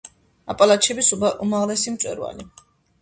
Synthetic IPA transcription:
apʼalat͡ʃʰɛbisumaʁlɛsimt̪sʼwɛ̰ɾwa̰li

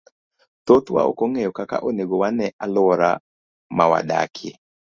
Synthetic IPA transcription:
t̪ot̪wa̰o̰koŋejɔkaka̰ʔoneɡowanɛʔalʊɾa | mawa̰da̰kʰḛ

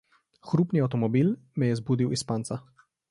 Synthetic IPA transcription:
xɾuːpniawt̪ɔmɔbiːlmɛjɛzbuːd̪iwispaːnt̪sa

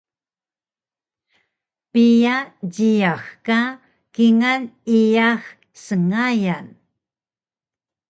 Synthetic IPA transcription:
pijaɟijaxka | kiŋanijax | səŋajan

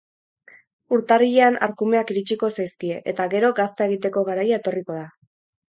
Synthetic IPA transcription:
uɾt̪ariʎeana̰ɾkume̞akiɾit͡ʃiko̞sajskie̞ʔet̪aɣe̞ɾo̞ɡast̪ae̞ɣ̞it̪e̞ko̞ɣaɾajae̞t̪o̞riko̞ð̞a

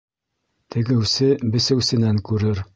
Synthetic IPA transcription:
t̪ʰɘ̆ɡɘ̆wsɘbɘ̆sɘ̆wsɘ̆næŋkʉɾɘɾ

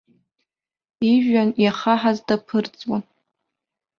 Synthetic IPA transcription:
iʒᶣanjaχaħazdapʰɨrt͡sʼwan

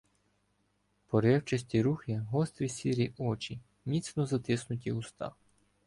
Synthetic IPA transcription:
pɔɾɛwt͡ʃɐsʲtʲiɾuxɪɦɔst̪ɾʲisʲiɾʲiʔɔt͡ʃi | mʲit̪snɔzɐt̪ɪsnʊtʲiʊst̪ɑ̰

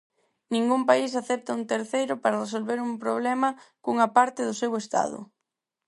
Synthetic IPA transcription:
nĩŋɡumpais̬aθɛp̚t̪ɐunt̪eɾθejɾʊpaɾɐres̬olβeɾumpɾoβlɛmɐkuŋɐpaɾt̪ɪðʊsewest̪a̰ðʊ̰

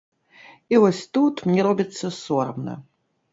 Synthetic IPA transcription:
ivɔsʲt̪ut̪mɲʲɛɾɔbʲit̪sːɐsɔrmnɐ̰

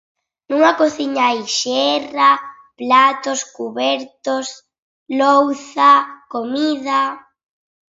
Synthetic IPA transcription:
nũŋakoθiɲaajʃɛra | plat̪oskuβɛɾt̪os | lowθakomiða

